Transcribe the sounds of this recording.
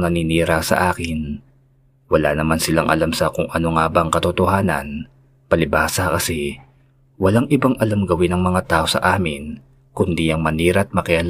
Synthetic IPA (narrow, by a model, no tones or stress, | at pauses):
nɐniniːɾasɐ̰ʔaːkɪn | wɐla̰nɐmansɪlaŋʔɐ̰lamsɐkʊŋʔɐnoŋaːbɐɐŋkɐt̪ʊt̪oɦaːnɐ̰n | pɐlɪbaːsɐkɐsɛ | wɐlaŋʔɪbaŋʔɐlamɡɐwɪnɐŋmɐŋat̪aːʔo̞sɐ̰ʔaːmɪn | kʊnd̪ijɐŋmɐniːɾɐt̪̚mɐkɪʔɐl